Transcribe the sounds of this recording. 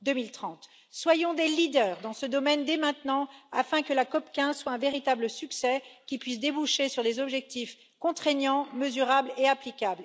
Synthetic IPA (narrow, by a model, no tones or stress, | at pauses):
d̪əmilt̪χɑ̃t̪ | swajɔ̃d̪elid̪œːʁd̪ɑ̃səd̪ɔmɛnd̪emɛ̃t̪nɑ̃afɛ̃kəlakɔpkʲɛ̃zswaɛ̃veʁit̪abləsyksɛkʲipɥis̬d̪ebuʃesyʁd̪ezɔbʒɛk̚t̪if | kɔ̃t̪χenjɑ̃məzyʁableaplikʲabl